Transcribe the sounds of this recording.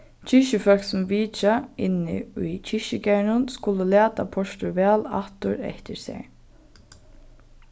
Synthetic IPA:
t͡ʃʰɪʃəfœlksɔmʋiːt͡ʃaɪnːɪ̰ʊjt͡ʃʰɪʃɪkæɳʊnskʊləlæːt̪apʰɔʃt̪ʊɹʋɛːla̰ht̪ʊɾɛ̰ht̪ɪɹsɛ̰ɹ

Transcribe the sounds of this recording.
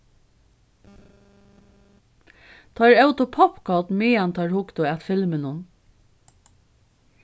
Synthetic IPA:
t̪ʰɔɾœwt̪ʊpʰɔpkʰɔt̪mɪːant̪ʰɑɹhʊkt̪ʊæt̪fɪlmɪnʊn

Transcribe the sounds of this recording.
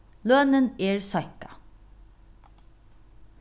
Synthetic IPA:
løːnəneːɹsɔjkḁ

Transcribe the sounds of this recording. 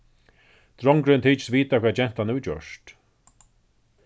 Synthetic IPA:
t̪ɾɔŋkɾɪnt̪ʰiːt͡ʃsviːt̪akʰvɛːt͡ɕɛn̥t̪ʰanːuːt͡ɕœ̰ʂt̪

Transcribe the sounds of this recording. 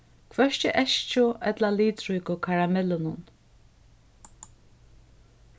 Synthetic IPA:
kʰvɛʃcɪʔɛʃt͡ʃʊɛt̪laliːt̪ɾujkʊkʰaɹamɛlʊnʊn

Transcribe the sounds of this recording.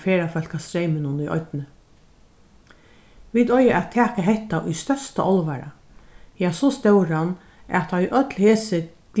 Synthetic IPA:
feːɾafœlkast̪ɾejmɪnʊnʊjʔɔ̰jt̪nə | ʋiːt̪ɔjaʔæt̪ʰːæːkaɦɛht̪aʔʊjst̪œst̪aʔɔlʋaɾa̰ | jasɔst̪ɛwɾan | æ̰t̪ʰːaiʔœt̪lheːsɪ | ɡ̥

